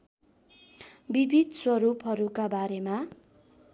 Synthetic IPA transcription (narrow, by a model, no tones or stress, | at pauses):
bibʱid̪swʌɾupɦʌɾukabaɾema